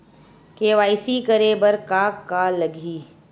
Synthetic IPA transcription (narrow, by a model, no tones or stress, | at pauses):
keːʋaːɪsikəɾebɐɾkaːkkːalɐɡʱiː